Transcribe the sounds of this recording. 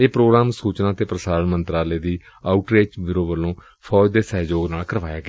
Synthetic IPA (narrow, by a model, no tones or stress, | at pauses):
eːpɾoːɡɾaːmsuːt͡ʃnãːt̪eːpɾəsaːɾənmənt̪ɾaːleːd̪iː | aːuʈɾeːd͡ʒʋɪɾoːʋəlːõː | pʰɔːd͡ʒd̪eːsɛːd͡ʒoːɡnaːlkəɾʋaːjaːɡ